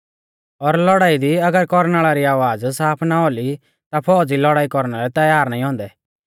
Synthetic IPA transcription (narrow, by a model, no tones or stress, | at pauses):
ɔɾlɔɽaːid̪iɐɡəɾkɔɾnaːɭaɾiaːʋaːd͡zsaːpʰnaoli | t̪apʰɔːd͡zilɔɽaːikɔɾnaɾɛt̪ɐjaːɾnaːĩɦɔ̃ːnd̪ɛ